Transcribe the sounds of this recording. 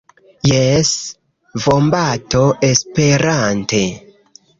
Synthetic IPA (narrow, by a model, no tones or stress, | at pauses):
jes | vombatoʔespe̞ɾante